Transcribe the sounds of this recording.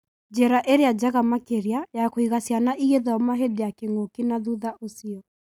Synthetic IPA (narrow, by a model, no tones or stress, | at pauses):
d͡ʒɛɾaʔeɾead͡ʒaɣamakeɾiajakoiɣasjanaʔiɣeðɔmaɦedejakeŋokinaðuðaʔosiɔ